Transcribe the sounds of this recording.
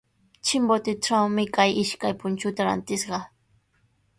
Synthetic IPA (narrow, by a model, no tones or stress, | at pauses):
t͡ʃɪmbot̪ɪʈ͡ʂawmɪkajɪʃkajpʊnt͡ʃʊt̪aɾa̰nt̪ɪsɢɑ